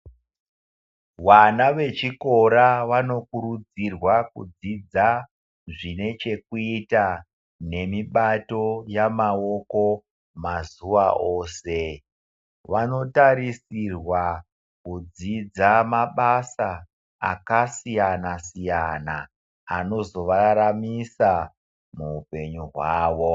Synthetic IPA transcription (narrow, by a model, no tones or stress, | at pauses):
wanaʋe̞t͡ʃiko̞ɾaʋano̞kuɾud͡zirwakṵd͡zid͡za | ʐine̞t͡ʃe̞kuita | ne̞miɓato̞jamaoko̞ | mazuʋaʔoːse | ʋano̞taɾisirwa | kud͡zid͡zamaɓasa | a̰kasijanasijanaː | no̞zo̞ʋaɾamisa | muːpe̞ɲuɦwaːʋo̞